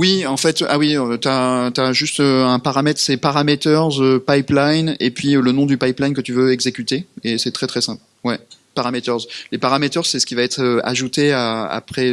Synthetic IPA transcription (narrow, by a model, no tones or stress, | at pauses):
wiɑ̃fɛt̪a̰wiøt̪yat̪yaʒyst̪øɛ̃paʁamɛt̪χsɛpaʁamet̪œʁzøpajplajnepɥiølənɔ̃d̪ypajplajnkət̪yvøɛɡzekʲyt̪eesɛt̪χɛt̪χɛsɛ̃pl | wɛ | paʁamet̪œʁzlepaʁamet̪œʁsɛsə̥kʲivaɛt̪χøa̰ʒut̪eaa̰pχɛ